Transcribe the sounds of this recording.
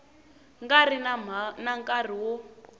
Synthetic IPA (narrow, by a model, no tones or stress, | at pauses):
ŋɡarinamnaŋkʼariwɔ